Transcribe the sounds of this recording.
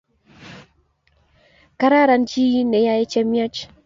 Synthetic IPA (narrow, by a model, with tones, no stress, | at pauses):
ka˦ɾa˦ɾa˦nd͡ʒi˦ji˦nɛ˨ja˦e˦t͡ʃɛ˦mja˦t͡ʃ